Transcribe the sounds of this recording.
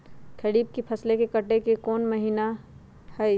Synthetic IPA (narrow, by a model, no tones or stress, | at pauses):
kʰɐɽiːb̚kipʰɐslekekɐʈekekɔːnmɐɦiːna | hɛ